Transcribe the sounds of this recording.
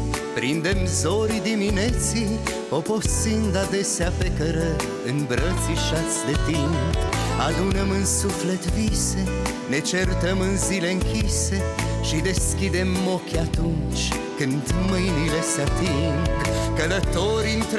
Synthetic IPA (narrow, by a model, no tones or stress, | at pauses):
pɾind̪e̞mzo̞ɾid̪iminet̪si | opo̞ind̪ad̪e̞seape̞kəɾə | ɨnbɾət̪siʃat̪sʲd̪e̞t̪impalunəmɨnsufle̞t̪vise̞ | ne̞t͡ʃert̪əmɨnzile̞ɨŋkʲise̞ʃid̪e̞skʲid̪e̞mːo̞kʲat̪unt͡ʃ | kɨnd̪mɨjnile̞seat̪iŋɡkələt̪o̞ɾiɨnt̪